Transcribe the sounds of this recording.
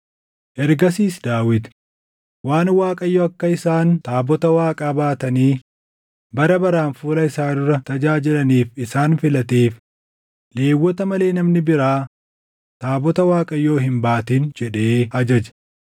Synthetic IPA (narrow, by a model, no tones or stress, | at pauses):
ʔɛɾɡɐs̬iːsd̪aːwɪd̪ | waːnwaːkʼɐjːoɐkːɐɪsaːnt̪aːbɔt̪ɐwaːkʼaːbaːt̪ɐniː | bɐɾɐbɐɾaːnfuːlɐɪsaːd̪ʊɾɐt̪ɐd͡ʒaːd͡ʒɪlɐniːfɪsaːnfɪlɐt̪eːf | leːwːɔt̪ɐmɐle̞ːnɐmnɪbɪɾaː | t̪aːbɔt̪ɐwaːkʼɐjːo̞ːɦɪmbaːt̪iːnd͡ʒɛᶑeːɐd͡ʒɐd͡ʒɐ̥